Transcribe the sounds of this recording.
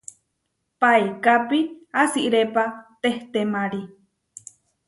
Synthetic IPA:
paekapiasiʔɾepat̪eht̪emaɾi

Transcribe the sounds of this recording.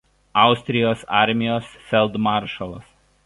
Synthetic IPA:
ɑˑʊsʲt̪ʲɾʲɪjoːsɑ̰ˑɾʲmʲɪjoːsfʲɛlˠd̪mɑːˑɾʃɐlˠɐ̰s

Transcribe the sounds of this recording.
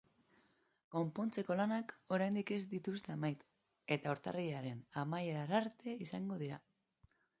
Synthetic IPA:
ko̞mpo̞nt͡se̞ko̞lanako̞ɾajnd̪ike̞zd̪it̪ust̪emajt̪u̥ | e̞t̪aoɾt̪a̰riaɾe̞namajeɾaɾaɾt̪e̞isaŋɡo̞ð̞iɾa

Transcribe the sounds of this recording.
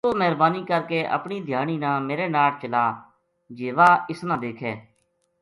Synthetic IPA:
oːmɛːɾbaːniːkəɾkeːʔə̰pɳiːd̪ʱjaːñiːnãːmeːɾeːnaːlt͡ʃəlaː | d͡ʒeːʋaːɪsnãːd̪eːkʰɛː

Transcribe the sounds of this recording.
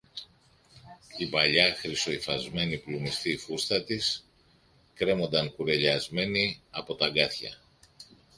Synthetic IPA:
ibɐʎɐxɾiso̞ifɐzme̞niplumist̪ifust̪ɐt̪is | kɾe̞mo̞nd̪ɐŋkuɾe̞ʎɐzme̞niɐpo̞t̪ɐɡɐθçɐ̰

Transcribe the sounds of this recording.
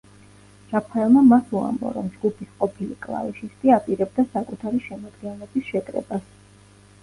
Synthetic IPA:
d͡ʒ̥apʰaɛlˠmamasua̰mbɔ̰ɾɔmd͡ʒɡupʰisqʼɔpʰilikʼlˠa̰viʃist̪ʼiapʼiɾɛb̚d̪asakʼut̪ʰaɾiʃɛmɔd̪ɡɛnɛbisʃɛkʼɾɛ̰bas

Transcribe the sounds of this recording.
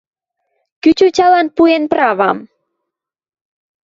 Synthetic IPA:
kyt͡ɕut͡ɕɑlɑnpuenprɑβɑ̰m

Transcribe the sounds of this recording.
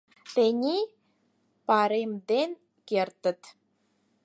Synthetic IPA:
t̪enʲi | pɑɾemd̪en | kert̪ə̆t̪

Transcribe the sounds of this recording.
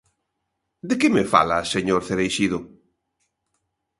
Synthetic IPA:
d̪ɪkɪmɪfa̰laseɲoɾθeɾejʃiðʊ

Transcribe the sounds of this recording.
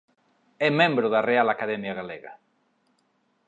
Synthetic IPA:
ɛmẽmbɾʊðarealakaðemjaɣalḛɣa̰

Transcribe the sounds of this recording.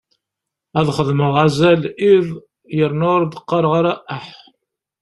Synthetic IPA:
æðχəðməʁæzælið | jəɾnʊɾd̪əqːɑɾˤʁaɾæʔəħ

